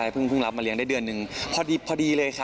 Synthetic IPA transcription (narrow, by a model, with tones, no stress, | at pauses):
a˧jpʰɯ˥˩ŋpʰɯ˥˩ŋla˦p̚ma˧li˧˦əŋdaː˥˩dɯ˧ənːɯ˨˩ŋpʰɔː˧diː˧pʰɔː˧diː˧lɤː˧jkʰa˦˥